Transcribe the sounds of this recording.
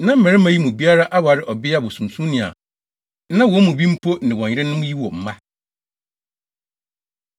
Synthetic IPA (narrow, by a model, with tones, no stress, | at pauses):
nã˦m̩˦mɛ̃˨ɾɪ˦mã˨ji˦mʊ̃˨bi˦a˦ɾa˦ʔa˦wa˨ɾɪ˦ʔɔ˨bɪ˦a˨bɔ˨sũ˨m˨sũ˦nɪ̃˨a̰˨˦ | nã˦wɔ˦mʊ̃˨bĩ˦m̩˦pʰo˦nɪ̃˨wɔ̃˨ɪ˦ɾɪ̃˦nʊ̃˦m̃˦ji˦wɔ˨m̩˨mã˦